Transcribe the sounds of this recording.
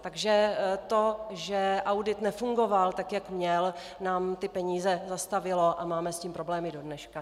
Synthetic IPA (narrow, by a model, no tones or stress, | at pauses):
t̪aɡʒɛt̪o̞ʒɛʔawdɪt̪nɛfuŋɡo̞valt̪akjakmɲɛl | naːmt̪ɪpɛɲiːzɛzast̪avɪlo̞ʔamaːmɛsciːmpɾo̞blɛːmɪdo̞dnɛʃka